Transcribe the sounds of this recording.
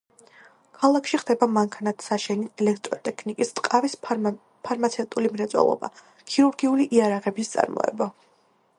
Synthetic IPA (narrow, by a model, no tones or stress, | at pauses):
kʰalˠakʰʃiχd̪ɛbamaŋkʰanat̪ʰsaʃɛniɛlɛk̚ʰt̪ʼɾɔt̪ʼɛkʰnikʼist̪ʼqʼavis | pʰaɾmat̪sʰɛt̪ʼulimɾɛt̪sʼwɛ̰lˠɔ̰ba̰ | kʰiɾuɾɡiuliʔiaɾaʁɛbist̪sʼa̰ɾmɔ̰ɛ̰ba